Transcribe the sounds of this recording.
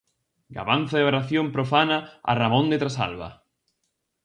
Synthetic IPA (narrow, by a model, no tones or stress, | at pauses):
ɡa̰βan̟θaðeβaɾaθjompɾofanaa̰ramõnd̪et̪ɾasa̰lβa̰